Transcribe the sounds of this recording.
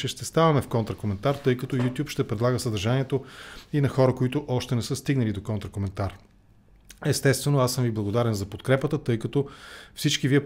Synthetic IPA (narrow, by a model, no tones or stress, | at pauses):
t͡ʃɛʃt̪ɛst̪avɐmɛfkɔnt̪ɾəkomɛnt̪aɾt̪ɤjkɐt̪ɔjut̪ʲjupʃt̪ɛpɾɛd̪lˠaɡəsəd̪əɾʒaniɛt̪oinɐxɔɾəkoit̪ʊʔɔʃt̪ɛnɛsɤst̪iɡnɐlid̪okɔnt̪ɾəkomɛnt̪aɾ | ɛst̪ɛst̪vɛnoasɤmviblˠɐɡod̪aɾɛnzɐpot̪kɾɛpət̪ət̪ɤjkɐt̪ɔfsit͡ʃkiviɛ